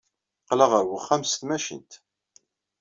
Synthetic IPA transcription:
qləʁəɾwəχːæmsθmæʃḭnt̪

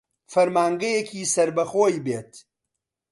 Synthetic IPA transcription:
fɐɾmaːŋɡɐjekʰiːsɐɾbɐxoːjbeːt̪

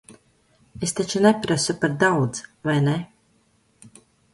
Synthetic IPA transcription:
est̪at͡ʃunepʲɾasupaɾd̪awd̪zvajne

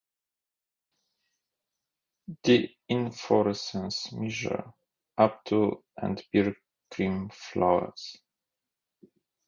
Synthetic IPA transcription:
ði | ɪ̃nfɔɹɛsə̃nsmɛʒə̰˞ | ʔap̚tʰuʔæ̰̃ndbɪɹ | kɹĩmfla̰wə̰z̥

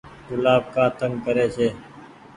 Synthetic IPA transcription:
k̪ʊlaːb̚kaːt̪əŋɡkəɾeːseː

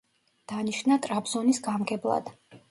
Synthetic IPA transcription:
d̪̥aniʃnat̪ʼɾabz̥ɔnisɡamɡɛblˠa̰d̪̥

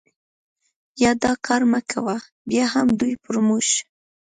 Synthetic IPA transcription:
jɑd̪ɑkʰɑɾmakʰawa | bjɑhamd̪ujpʊɾmuʃ

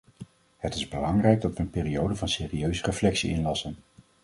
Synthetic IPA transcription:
hətɪzbəlɑŋrɛjɡ̚dɑtʋəənpeːriowdəvɑnseːriøɥzərəflɛksiɪnlɑsən

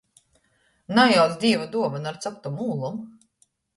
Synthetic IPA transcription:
najaw̪d̪ʲiːvud̪uɔvanaɾt̪sɔp̚t̪umuːlˠum

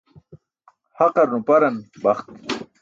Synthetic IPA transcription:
haqɑɾnupaɾanbaχt̪

